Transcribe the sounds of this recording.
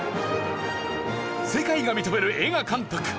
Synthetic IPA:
se̞kaiɡamʲit̪ome̞ɾɯ̟ʔeɡakãnt̪okɯ̥

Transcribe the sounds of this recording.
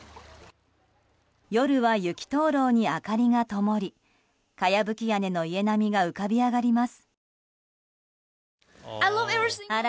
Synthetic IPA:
jo̞ɾɯ̟βajɯ̟kʲi̥t̪o̞ːɾo̞ːɲ̟iakaɾʲiŋat̪o̞mo̞ɾʲi | kajabɯ̟kʲijane̞no̞ie̞namʲiɡaɯ̟kabʲiaɡaɾʲimasɨ̥ | aɪlʌvɛvia

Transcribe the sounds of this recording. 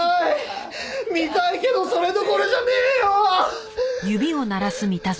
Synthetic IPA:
i | mʲit̪aike̞d̪o̞so̞ɾe̞d̪okoɾe̞ʑaneːjo | jɯ̟bʲio̞naɾasɨmʲit̪a

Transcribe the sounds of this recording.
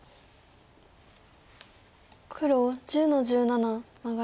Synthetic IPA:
kʰɯ̟ɾod͡ʑɨːnoʑɨːnanamaɡa

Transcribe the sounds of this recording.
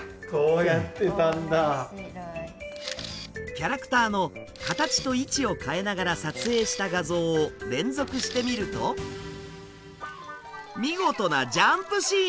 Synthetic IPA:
koːjat̪ːe̞t̪ãnd̪a | kʲaɾakɯ̥t̪aːno̞ | kat̪at͡ɕi̥t̪o̞it͡ɕio̞kae̞naɡaɾasat͡sɨe̞ːɕi̥t̪aɡazo̞ːɾẽ̞nd͡zzo̞kɯ̟ɕi̥t̪e̞mʲiɾɯ̟t̪o̞ | mʲiɡo̞t̪o̞nad͡ʑãmpɯ̟ɕiː

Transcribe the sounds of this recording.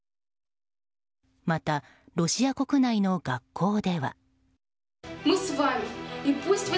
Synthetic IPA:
mat̪a | ɾo̞ɕiako̞kɯ̟naino̞ɡakʰːo̞ːd̪e̞βa̰ | musvajvipustwi

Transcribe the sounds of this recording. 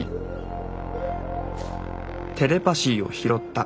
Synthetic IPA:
t̪ʰe̞ɾe̞paɕiːo̞̰çiɾo̞t̪ːa

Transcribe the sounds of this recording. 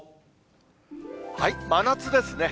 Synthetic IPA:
haimanat͡sɨd̪e̞sɨne̞

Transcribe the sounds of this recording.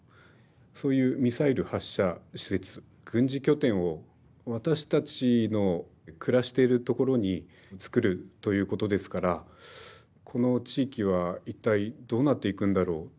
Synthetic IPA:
so̞ːjɯ̟ːmʲisaiɾɯ̟haɕːaɕi̥se̞t͡sɨ̥ | ɡ̥ɯ̟̃ɲ̟d͡ʑikʲo̞t̪ẽ̞ɰ̃o̞ | βat̪aɕi̥t̪at͡ɕino̞ | kɯ̟ɾaɕi̥t̪e̞ɾɯ̟t̪o̞ko̞ɾo̞ɲ̟i | t͡sɨ̥kɯ̟ɾɯ̟t̪o̞jɯ̟ːko̞t̪o̞d̪e̞sɨ̥kaɾa | kʰo̞no̞t͡ɕiːkʲiβ̞ait̪ːaid̪o̞ːnat̪ːe̞ikɯ̟̃nd̪aɾo̞ː

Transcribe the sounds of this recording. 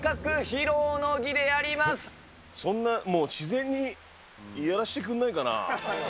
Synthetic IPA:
kakɯ̟çiɾoːnoɡʲid̪e̞jaɾʲimasɨ̥ | sõ̞nːamo̞ːɕizẽ̞ɲ̟ːi | ijaɾaɕi̥t̪e̞k̬ɯ̃nːaikana̰

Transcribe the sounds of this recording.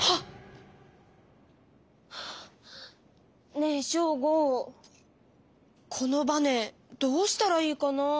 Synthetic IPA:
ha | neɕoːɡo | kʰo̞no̞bane̞ | d̪̥o̞ːɕi̥t̪aɾaiːkano

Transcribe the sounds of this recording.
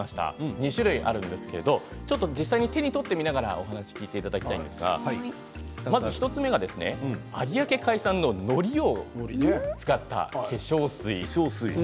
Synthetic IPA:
aɕi̥t̪a̰ɲ̟iɕɨɾɯ̟iʔa̰ɾɯ̟̃nd̪e̞sɨ̥ke̞ɾe̞d̪o̞ | t͡ɕo̞t̪ːo̞d͡ʑisːaiɲ̟it̪e̞ɲ̟it̪o̞t̪ːe̞mʲinaɡaɾa̰ʔo̞ɦanaɕi̥kʲiːt̪e̞it̪ad̪akʲi̥t̪a̰ĩnd̪e̞sɨɡa̰ | mazɨçʲi̥t̪o̞t͡sɨme̞ɡad̪e̞sɨne̞̰aɾʲiake̞kaisãnːo̞no̞ɾʲio̞ | t͡sɨ̥kat̪ːa̰kʰe̞ɕo̞ːsɨisi

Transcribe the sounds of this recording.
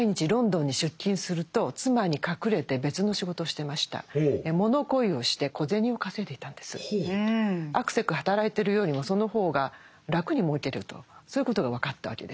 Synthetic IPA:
aiɲ̟it͡ɕiɾõ̞nd̪õ̞ɲ̟ːiɕɨkʲːĩɰ̃sɨɾɯ̟t̪o̞t͡sɨmaɲ̟ikakɯ̟ɾe̞t̪e̞be̞t͡sɨno̞ɕiɡo̞t̪o̞ːɕi̥t̪e̞maɕi̥t̪a̰emo̞no̞ko̞io̞ɕi̥t̪e̞ko̞zẽ̞ɲ̟io̞kase̞t̪e̞i̥t̪ãnd̪e̞sɨ̥̰ | akɯ̟̥se̞kɯ̟hat̪aɾait̪e̞ɾɯ̟jo̞ːɲ̟imo̞so̞no̞ho̞ːɡa | ɾakɯ̟ɲ̟imo̞ikʲe̞ɾɯ̟t̪o̞̰soːjiɯ̟ko̞t̪o̞ɡaβ̞akat̪ːaβ̞a̰ke̞d̪e

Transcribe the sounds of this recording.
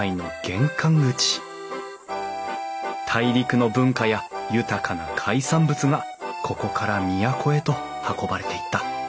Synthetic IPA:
ino̞ɡ̥ẽ̞ŋkãŋɡɯ̟t͡ɕi̥ | t̪ʰaiɾʲikɯ̟no̞bɯ̟̃ŋkajajɯ̟t̪akʰanakʰaisãmbɯt͡sɨɡa | kʰo̞ko̞kʰaɾamʲijakʰo̞e̞t̪o̞ | hako̞baɾe̞t̪e̞it̪ːa

